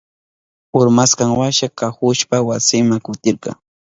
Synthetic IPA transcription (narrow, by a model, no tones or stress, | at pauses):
ʊɾmaskaŋwaʃakahʊʃpawasɪmaŋkʊt̪ɪɾkɑ̰ŋ